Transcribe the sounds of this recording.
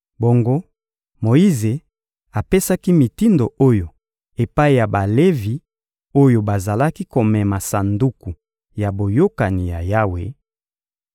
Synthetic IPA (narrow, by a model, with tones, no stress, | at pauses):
bo˨ŋɡo˦ | mo˨i˦ze˨ | a˨pe˦sa˦ki˦mi˨ti˦ndo˨o˦jo˨ | e˨pa˦i˨ja˨ba˨le˦vi˨ | o˦jo˨ba˨za˨la˦ki˦ko˨mɛ˨ma˨sa˨ndu˦ku˨ | ja˨bo˨jo˦ka˨ni˨ja̰˨ja˦wḛ˨